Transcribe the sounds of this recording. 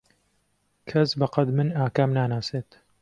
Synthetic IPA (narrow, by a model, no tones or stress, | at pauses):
kʰɐsbɐqɐd̪mɨnaːkaːmnaːnaːseːt̪